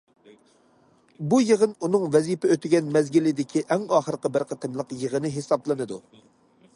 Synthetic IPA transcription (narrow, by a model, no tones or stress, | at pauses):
bujəʁənunɨŋvɛzipɛøt̪ʰɪɡʲɛnmɛzɡʲilɪd̪ɪkʲʰiʔæŋɑːχəɾqəbɪɾqʰət̪ʰɨmlˠəqjəʁənɨɦesɑblˠɨnɨd̪u